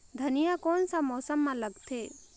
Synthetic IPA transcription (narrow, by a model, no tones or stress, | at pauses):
d̪ʱɐnijakoːnsamɔːsəmːãləɡt̪ʰeː